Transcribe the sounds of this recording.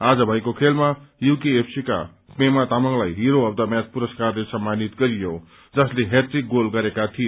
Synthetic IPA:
ad͡zʌbʱʌjkokʰelmajukiepʰsika̰ | pemat̪amʌŋlajɦiɾoʌbd̪ʌmjat͡spuɾʌskarlesʌmːanit̪ɡʌɾijo | d͡zʌsleɦetiɡolɡʌɾekat̪ʰije

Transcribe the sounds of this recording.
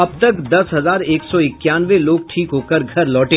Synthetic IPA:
ɐb̚t̪ɐkd̪ɐsɦɐzaːɾeːksɔɪkːjaːnʋeloːɡ̚ʈʰiːkɦoːkəɾɡʱɐɾlɔːʈẽː

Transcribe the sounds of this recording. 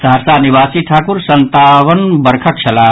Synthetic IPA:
saɾsanibaːsiʈʰaːkuɾsənt̪aʋənbəɾkʰəʈ̚t͡ʃʰɐlaː

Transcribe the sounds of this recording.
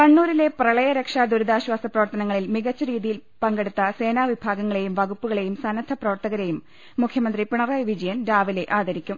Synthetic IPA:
kɐɳːuːɾile̞prɐɭɐjɐɾekʂaːd̪uɾuðaːɕwaːsɐprɐʋɐrt̪ɐnɐŋːɐɭilmiɣɐt͡ɕːɐɾiːðijilpɐŋɡeɽut̪ːɐse̞ːnaːʋibʱaːɡɐŋːɐɭe̞jumʋɐɣupːuɣɐɭe̞jumsɐnɐd̪ʰʱːɐprɐʋɐrt̪ɐɣɐɾe̞jumː | ukʰjɐmɐnd̪ripiɳɐrɐjʋid͡ʑɐjɐnɾaːʋile̞ʔaːd̪ʱɐɾikʲːum

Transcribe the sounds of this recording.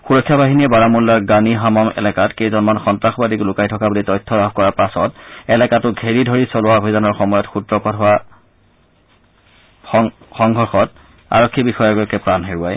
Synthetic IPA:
xuɹɔkʰːjabaɦiniɛbaɹamulːaɹɡaniɦamɔmɛ̰lɛkatkejzɔnmanxɔntɹaxɔbadiklʊkajtʰɔkabulitɔjtʰːɔlabʰkɔɹapasɔtɛlɛkatʊɡʱeɹidʱɔɹisɔlʊwabʱizanɔɹxɔmɔjɔtxudɹɔpatɦʊwa | xɔŋɡʱɔɹxɔt̚ | a̰ɹɔkʰːibixɔjɔɡojɔkːɛpɹanɦeɹuaj

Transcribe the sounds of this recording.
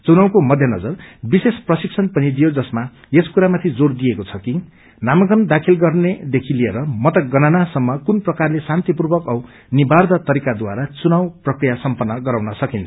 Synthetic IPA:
t͡sunawkomʌd̪ʱjʌnʌd͡zʌrbisesprʌsik̚sʰʌnpʌnid̪ijod͡zʌsma | eskuɾamat̪ʰid͡zord̪ijekot͡sʰʌki | namʌɡʌnd̪akʰilɡʌrned̪ekʰilieɾʌmʌt̪ʌɡʌnanasʌmːʌkunprʌkarlesant̪ipurbʌkʌw | nibʱard̪ʌt̪ʌɾikad̪waɾat͡sunawprʌkrijasʌmpʌnːʌɡʌɾawnʌsʌkint͡sʰʌ̥

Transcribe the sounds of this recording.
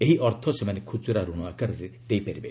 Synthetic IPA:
eɦiʔɔɾt̪ʰɔsemanekʰut͡ʃuɾaɾuɽ̃ɔakaɾɔɾed̪ejpaɾibe

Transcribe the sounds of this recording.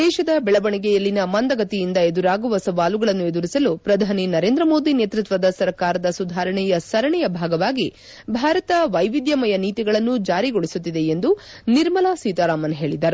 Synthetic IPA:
d̪ɛːʃɐd̪ɐbɛɭɐbɐɳiɡɛjɐlːinɐmɐnd̪ɐɡɐt̪ijind̪ɐed̪uɾaːɡuʋɐsɐʋaːluɡɐɭɐnːue̞d̪uɾisɐlupɾɐd̪ʱaːninɐɾe̞ːnd̪ɾɐmo̞ːd̪ineːt̪ɾut̪ʋɐd̪ɐsɐɾkaːɾɐd̪ɐsud̪ʱaːɾɐɳɛjɐsɐɾɐɳɛjɐbʱaːɡɐʋaːɡi | bʱaːɾɐt̪ɐʋɐjʋid̪jɐmɐjɐniːt̪iɡɐɭɐnːud͡ʒaːɾiɡoɭisut̪ːid̪e̞end̪u | niɾmɐlaːsiːt̪aɾaːmɐnɦe̞ːɭid̪ɐɾu

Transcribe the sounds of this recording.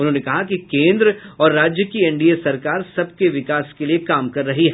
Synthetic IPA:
ʊnɦõːnekɐɦakikẽːnd̪ɾɔːɾːaːd͡ʒjəkiɛ̃ɳɖiesɐɾkaːɾsɐb̚keʋɪkaːskeliekaːmkɐɾːɐɦiɦɛː

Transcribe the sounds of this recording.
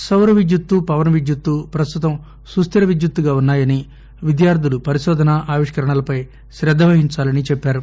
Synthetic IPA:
sɐwɾɐʋid̪jut̪ːupɐʋɐnʋid̪jut̪ːupɾɐst̪ut̪ɐm | sust̪iɾɐʋid̪jut̪ːuɡaːunːaːjɐni | ʋid̪jaːɾd̪ʱulupɐɾiʃɔːd̪ʱɐnɐʔaːʋiʂkɐɾɐɳɐlɐpɐj | ʃɾɛd̪ʱːɐʋɐɦiɲt͡ʃaːlɐnit͡ʃɛpːaːɾu

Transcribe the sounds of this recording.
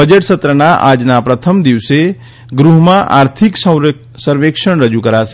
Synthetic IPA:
bəd͡ʒəʈsət̪ɾəɳ̃aʔad͡ʒnapɾət̪ʰəmd̪iʋse | ɡɾuɦmãʔa̰ːɾt̪ʰiks | səɾʋekʃəɽ̃ɾəd͡ʒukəɾaʃe

